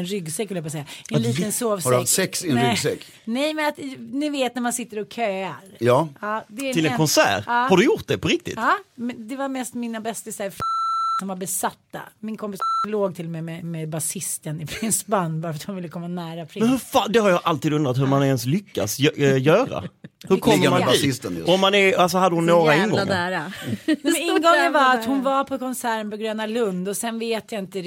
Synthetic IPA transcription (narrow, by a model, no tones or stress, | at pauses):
nɾʏɡsɛkːvɪljabɑːsɛjːaɛnːt̪ənsoːvshaɾat̪ːsɛksɪɛnɾʏsɛkː | nɛjmɛnat̪nɪveːt̪̚næɾmansɪt̪ːəɾɔkʰøːaɾjɑːɑːd̪ɛɪlɛkʰɔnsæ̰ːɾːhaɾɖɵjʊɾt̪̚d̪ɛpʰɔɾɪk̚t̪ɪ̰t̪ːmɛd̪ɛvaɾmɛst̪mɪnabɛst̪aɪsɛɾfsɔmvaɾbɛsat̪ːa̰mɪnkʰɔmpɪsloːɡt̪ʰɪlmɛmɛmɛbasɪst̪ənɪpʰɾɪnsbanːvaɾfat̪hʊnvɪlːəkʰɔmːanæːɾapʰɾɪmɛnhɵɾfaːd̪ɛhaɾjɑːʔalt̪iːd̪ɵnd̪ɾat̪hɵɾmanɛnslʏkːa̰sjœːɾa̰hɵɾkʰɔmːmaniːst̪ɔmːanɛals̬ɔhad̪əhʊnːoːɾaɪnɡɔ̰ːæɾaɛɪnɡɔŋːəvaat̪hʊnvaɾpʰɔkʰɔnsæːɾənpɔɡɾøːnalɵnd̪ɔsɛnveːt̪jaɪnt̪ə